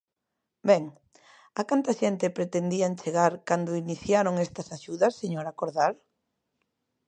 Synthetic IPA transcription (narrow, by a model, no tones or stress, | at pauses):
bɛŋ | akant̪aʃɛnt̪ɪpɾet̪end̪iant͡ʃeɣaɾkand̪oiniθjaɾoŋɛst̪ɐsaʃuðɐsːeɲoɾakoɾðaɾ